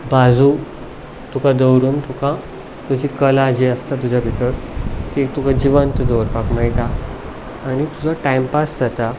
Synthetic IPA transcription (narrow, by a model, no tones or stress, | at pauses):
bad͡zʱu | t̪ukad̪əwɾuːnt̪ʰukã | t̪ud͡ʑikəlad͡ʑeəst̪at̪ud͡ʑʱabʱit̪əɾkit̪ukad͡ʑiʋənt̪d̪owɾpakmajt̪aː | ɽ̃it̪ud͡zaʈajmpasd͡zat̪a